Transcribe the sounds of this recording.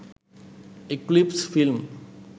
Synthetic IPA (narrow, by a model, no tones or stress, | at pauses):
eklipsfilm